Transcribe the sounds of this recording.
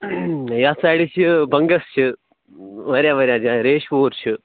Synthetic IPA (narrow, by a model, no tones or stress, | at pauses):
jaːsaːɽiɕɨbɐŋɡɐst͡ʃɨ | ʋɐɾjaːʋɐɾaːd͡ʒaɾeːʂʋoːɾt͡ʃɨ